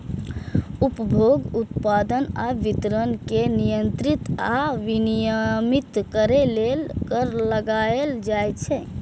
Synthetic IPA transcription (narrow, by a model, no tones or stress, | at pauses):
upəbʱoɡut̪pad̪ənaʋit̪ɾənkenijənt̪ɾit̪aʋinijəmit̪kəɾelelkəɾləɡaeld͡ʒajt͡ʃʰɛ